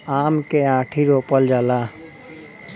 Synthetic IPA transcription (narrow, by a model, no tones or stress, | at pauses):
aːmkeãːʈʰiɾoːpəld͡ʒaːla